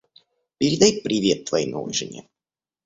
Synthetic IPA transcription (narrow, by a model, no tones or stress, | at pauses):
pʲɪɾʲɪd̪ajpɾʲɪvʲe̞t̪ːvɐino̰v̰jʐɨ̰nʲḛ